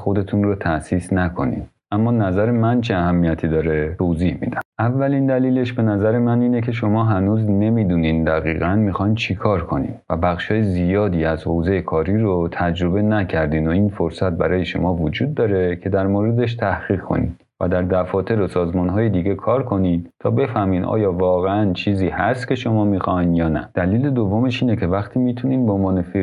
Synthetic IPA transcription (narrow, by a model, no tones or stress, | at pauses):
xo̞d̪e̞t̪ʰunrot̪ʰæsiːsnækʰo̞̰nḭd̪ | ʔæmːɒːnæzæɾemænt͡ʃʰeæhæmːijæt̪ʰiːd̪ɒːɾe̞t̪ʰo̞ziːhmḭd̪æmʔævːælind̪æliːle̞ʃbe̞næzæɾe̞mæniːne̞cʰe̞ʃo̞mɒːɦænuːzne̞miːd̪uːniːnd̪æɣḭːɣænmixɒjnt͡ʃʰekʰɒːɾkʰo̞nḭnvæbæχʃɒːjezijɒːd̪iːæzho̞wze̞jekʰɒːɾiːɾot̪ʰæd͡ʒɾo̞be̞næcʰæɾd̪ind̪oiːnfo̞ɾsæt̪̚bæ̰ɾɒːje̞ʃo̞̰mɒːvod͡ʒuːd̪̚ːɒːɾe̞cʰe̞d̪æɾmoːɾe̞d̪e̞ʃ̬t̪ʰæhɣiːɣkʰo̰nḭːd̪ | væ̰d̪æɾd̪æfɒːt̪ʰe̞ɾosɒːzmɒnɦɒːjed̪iɟe̞kʰɒːɾkʰo̞nint̪ʰɒːbe̞fæhmiːnʔɒ̰ːjɒːvɒːɣeænt͡ʃʰiːziːhæst̪kʲʰe̞ʃo̞mɒːmixɒjnjɒːnæ̰d̪̥æliːle̞d̪ovːo̞meʃiːne̞cʰe̞væχt̪ʰiːmiːt̪ʰuniːnbeonvɒːne̞fi